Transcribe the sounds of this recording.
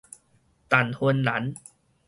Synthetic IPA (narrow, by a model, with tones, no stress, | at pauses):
t̪a˨˩nhu˧nla˨˦n